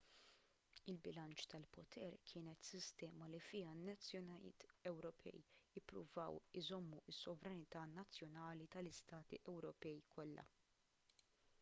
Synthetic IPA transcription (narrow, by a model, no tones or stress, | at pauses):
ɪlbɪlɐnt͡ʃt̪ɐlpɔt̪ʰɛɾkʰɪːnɛt̪sɪst̪ɛːmɐlifɪːɐnɐt͡sːjɔnɐɪ̰ːt̪ɛwɾɔpʰɛ̰jjɪpːɾʊ̰vɐ̰wɪzɔmːuɪsːɔvɾɐnɪt̪ɐnɐt͡sːjɔnɐːlit̪ɐlɪst̪ɐːt̪ḭʔɛwɾɔpɛjkʰɔlːɐ̰